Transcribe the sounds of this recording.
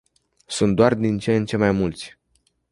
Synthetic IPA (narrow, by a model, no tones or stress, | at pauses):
sunt̪̚d̪oard̪int͡ʃent͡ʃe̞majmult̪sʲ